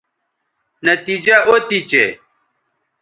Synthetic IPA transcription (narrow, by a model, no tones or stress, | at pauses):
nɐt̪id͡ʑaʔot̪it͡ɕḛ